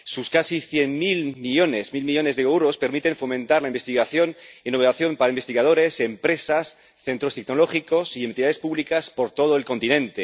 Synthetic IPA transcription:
suskasiθje̞nmilmiʎo̞ne̞smilmiʎo̞ne̞zðeewɾo̞spe̞ɾmit̪e̞ɱfo̞mẽ̞nt̪aɾlaimbest̪iɣaθjo̞nenoβelaθjo̞mpaɾaimbe̞st̪iɣað̞o̞ɾe̞se̞mpɾe̞sas | θe̞nt̪ɾo̞st̪ekno̞lo̞χiko̞siemt̪iaðespuβlikaspo̞ɾt̪o̞ð̞oe̞lko̞nt̪inẽ̞nt̪e

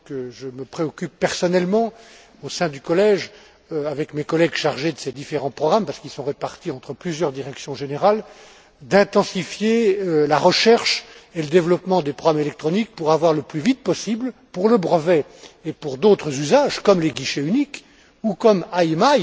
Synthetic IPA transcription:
kəʒəməpχeɔkʲypːɛʁsɔnɛlmɑ̃ | osɛ̃d̪ykɔlɛʒ | øavɛkmekɔlɛɡʃaʁʒed̪əsed̪ifeʁɑ̃pχɔɡʁampaʁsəkilsɔ̃ʁepaʁt̪iɑ̃t̪χəplyzjœʁd̪iʁɛksjɔ̃ʒeneʁal | d̪ɛ̃t̪ɑ̃sifjeølaʁəʃɛʁʃeləd̪evlɔpmɑ̃d̪epχɔɡʁamelɛk̚t̪χɔnik̚puʁavwaʁləplyvit̪̚pɔsiblpuʁləbʁəvɛepuʁd̪ot̪χəzyzaʒkɔmleɡʲiʃeynik | ukɔmajmaj

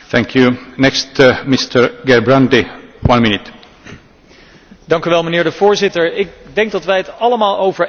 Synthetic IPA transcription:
θæ̃ŋkʰjunɛkstmɪst̪ʰəɹɡɛɹbɹãndɪwʌ̃nmɪnɪt̪ | dɑŋkyʋɛlˠmənɪːɹdəv̥ʊːɹzɪtəɹɪk̚dɛŋɡ̚dɑtʋɛjɦətɑləmaːlˠowvəɹ

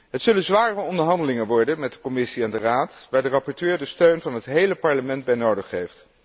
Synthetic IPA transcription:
ɦətsɵlənzʋaːrəɔndəɹɦɑndəlɪŋənʋɔɹdənmɛt̚dəkɔmɪsiɛndəraːtʋaːɹdərɑpɔɹtøːɹdəstøɥnvɑnɦətɦejləpɑɹləmɛndbɛjnowdəχːejft

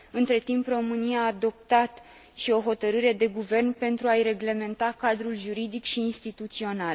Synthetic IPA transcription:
ɨnt̪ɾe̞t̪impro̞mɨniaːd̪o̞p̚t̪at̪ | ʃio̞ɦo̞t̪əɾɨɾe̞d̪e̞ɡuve̞rnpe̞nt̪ɾuajɾe̞ɡle̞me̞nt̪akad̪ɾulʒuɾid̪ikʃiːnst̪it̪ut̪sio̞nal

